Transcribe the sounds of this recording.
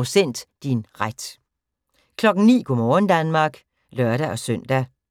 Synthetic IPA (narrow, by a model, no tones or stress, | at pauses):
sen̰d̥d̥inʁad̥ | kʰlɒ̽ɡ̥ŋ̩nḭːkʰɔmɒnd̥ænmɑ̈ːɡ̥ | lœɐɾæʔɒ̽søn̰d̥æ